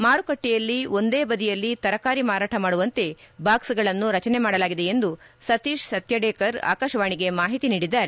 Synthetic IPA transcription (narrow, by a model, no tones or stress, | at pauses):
maːɾukɐʈːɛjɐlːio̞nd̪e̞ːbɐd̪ijɐlːit̪ɐɾɐkaːɾimaːɾaːʈʰɐmaːɽuʋɐnt̪e̞baːksɐɡɐɭɐnːuɾɐt͡ʃɐnemaːɽɐlaːɡid̪e̞end̪usɐt̪iːʃsɐt̪jɐɖɛːkɐɾa̰ːkaːʃɐʋaːɳiɡe̞maːɦit̪iniːɽid̪ːaːɾe